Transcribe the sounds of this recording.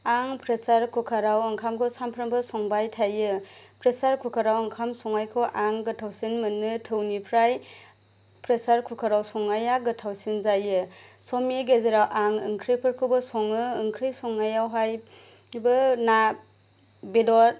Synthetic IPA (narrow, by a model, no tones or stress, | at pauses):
aŋpʰɾesaɾkʰukʰaɾawɐŋkʰamkʰɯsampʰɾɯmbɯsɔŋbajtʰajɯpʰɾesaɾkʰukʰaɾawɐŋkʰamsɔŋajkʰɯʔaŋɡɯtʰawsinmɯnːɯtʰɯwnipʰɾaj | pɾesaɾkʰukʰaɾawsɔŋajaɡɯtʰawsinzajɯsɔmeɡezeɾawʔaŋɯŋkʰɾijpʰɯɾkʰɯwbɯsɔŋɯːŋkʰɾɯjsɔŋajawɦaj | bɯna | bedɔɾ